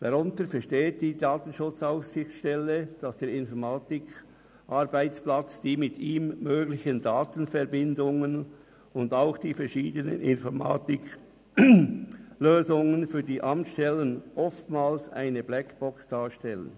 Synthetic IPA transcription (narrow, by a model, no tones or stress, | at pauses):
d̥ɑʁʊntəɾfɛʁʃteːt̚d̥iːdaːtən̩ʃʊt͡saʊssɪçʃtɛləd̥ɑsd̥eːɾɪnfɔɾmaːtɪk | ʔɑʁbaɪt͡splat͡sd̥iːmɪtʰiːmːøːɡlɪçəndaːtən̩fɛʁbɪndʊŋən | ʊndaʊxd̥iːfɛɾʃiːdənə̰nɪnfɔɾma̰ːtɪk | løːzʊŋənfyːɐdiːʔɑmtʃtɛlənʔɔftmaːlsa̰ɪnəblɛkb̥ɔksd̥aːʃtɛlə̰n